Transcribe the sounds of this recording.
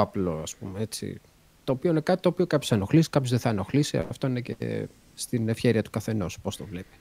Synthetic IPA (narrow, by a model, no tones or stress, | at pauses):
ɐplo̞ɐspṵmee̞t͡sḭ | t̪o̞ːpio̞inekɐt̪i̥t̪o̞ːpio̞kɐpçosɐno̞xlisi̥kɐpçozðeθɐnoxlisḭft̪o̞inece̞̰ | st̪inefçe̞ɾiɐt̪u̥kɐθe̞no̞spost̪o̞vle̞pi̥